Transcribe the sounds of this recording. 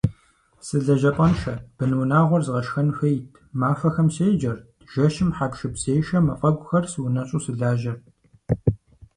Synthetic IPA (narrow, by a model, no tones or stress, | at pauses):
sɨɮɐʒɐpʼɐnʃɐb̥ɨnɨwnaːʁʷɔrzɨʁɐʃxɐnxejtʰmaːfɐxɐmsejd͡ʒɐrd̥ʒ̥ɐʃɪmħaːkʃɨpseːjʃɐmɐfʼɐɡʷʼʊxɐrsɨwʊnɐɕʼuːsɨɮaːʒɐr